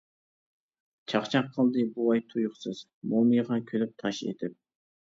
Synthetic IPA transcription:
t͡ʃʰɑχt͡ʃʰɑqʰːəlˠd̪ɨbuɑjt̪ʰujʊχsɨz̥ | momɨjʁɑkʲʰølyp̚t̪ʰɑʃḛt̪ʰɪp̚

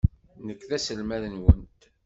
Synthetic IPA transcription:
nəkːðæsəlmæðənwənt̪

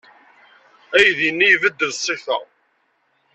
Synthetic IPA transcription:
æjðinːijvəd̪ːəðsˤːiθɑ̰

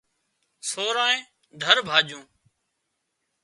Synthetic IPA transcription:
soːɾaːẽː | d̪ʱəɾbʱaːʄũː

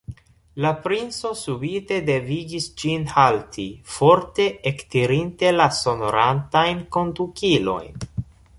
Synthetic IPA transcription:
lapɾint͡so̞subite̞de̞viɡisd͡ʒinhaltʰifo̞ɾte̞ʔektiɾinte̞laso̞no̞ɾantajnko̞ndukilo̞̰jn

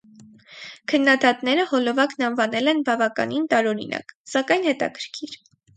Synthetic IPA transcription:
kʰənːɑd̪ɑt̪nɛɾəhɔlɔvɑknɑnvɑnɛlɛnbɑvɑkɑ̰nint̪ɑɾɔɾḭnɑ̰ksɑkɑjn̪hɛt̪ɑ̰kʰəɾkʰiɾ

